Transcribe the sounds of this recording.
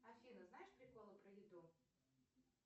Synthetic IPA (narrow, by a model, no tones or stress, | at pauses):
ɐfʲinəznajɪʂpɾʲɪkolˠəpɾəjɪd̪u